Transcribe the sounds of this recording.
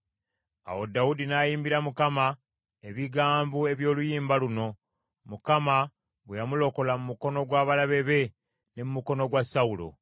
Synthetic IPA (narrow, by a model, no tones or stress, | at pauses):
a̰wodaudinajiːmbiɾamukama | eβiɡaːmbue̞βjo̞ːlujiːmbaluno̞ | mukama | βwejamulo̞ko̞lamumuko̞no̞ɡwaːβalaβe̞βe̞ | nemumuko̞no̞ɡwasaulo̞̰